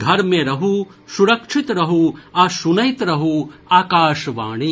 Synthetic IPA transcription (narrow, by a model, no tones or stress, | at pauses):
ɡ̪ʱɐɾmẽɾɐɦu | suɾɐkʂʰit̪ɾɐɦuɐʃunɐjt̪ɾɐɦuaːkaːʃʋaːɳ̃i